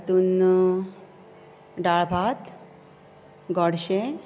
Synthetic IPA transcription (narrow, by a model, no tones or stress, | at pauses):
t̪uːn | ɖaɭbʱat̪ | ɡɔɽɕe